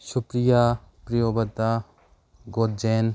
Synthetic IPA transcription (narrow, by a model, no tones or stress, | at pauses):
supɾija | pɾijobɐt̪a | ɡot̪̚d͡ʒen